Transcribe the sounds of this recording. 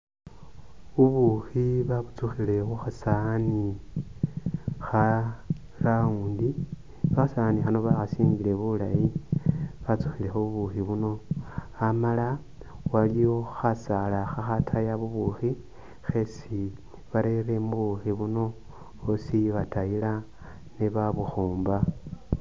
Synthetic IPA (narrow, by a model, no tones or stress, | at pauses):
βuβuxiβaβut͡suxile̞xuxasani | xa | rauːndi | βaxasanixano̞βaxasiːŋɡile̞βula̰ji | βat͡su̥xile̞xoβuβuxiβuno̞amala | walijo̞xasalaxaxatʰajaβuβuxi | xe̞si | βaɾe̞re̞muβuxiβuno̞ | osiβatajila | neβaβuxoːmba